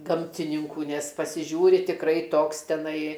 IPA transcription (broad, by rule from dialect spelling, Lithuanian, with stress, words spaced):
ˈɡɐmʲtʲɪnʲɪŋkuː nʲɛs pɐsʲɪˈʒʲuːrʲɪ tʲɪkˈrɐɪ ˈtoːks tʲɛˈnɐɪ